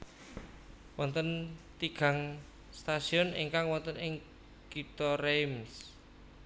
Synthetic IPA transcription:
wɔnt̪ənt̪iɡ̥a̤ŋ | st̪asiɔnḭŋkaŋwɔnt̪ənɪŋ | kit̪ɔrems

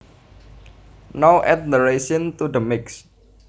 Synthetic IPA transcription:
nowʔɛt̪̚məɾeʃɔnt̪ud̪əmɪks

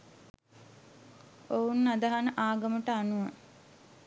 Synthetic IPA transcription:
ounːad̪əɦanəʔaːɡəməʈəanuʋa

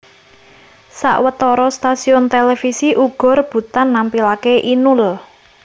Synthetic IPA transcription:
sa̰ʔwət̪ɔɾɔst̪asiʊnt̪elefisiʔuɡ̥ɔ̤rb̥ṳt̪anːampilakeʔinʊl

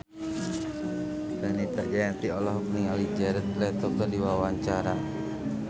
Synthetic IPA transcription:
sanit̪ərd͡ʒajat̪iɔlɔɦk̚niŋalid͡ʒaɾɛt̪̚lɛt̪ɔkədiwawaɲt͡ʃaɾa

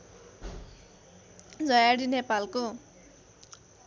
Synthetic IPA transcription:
d͡zʌjaɽinepalko

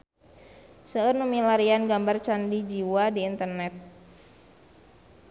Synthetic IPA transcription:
səərnumilaɾianɡambart͡ʃandid͡ʒiwadiːnt̪ərnɛt̪̚

